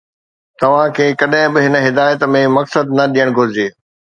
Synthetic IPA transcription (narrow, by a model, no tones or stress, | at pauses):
t̪ɐʋ̤ãkʰeːkɐɗɦɪ̃bɪɦɪnəɦɪd̪aːjət̪mẽmɐksəd̪nɐɗijəɽ̃ɡʱʊɾɪd͡ʑeː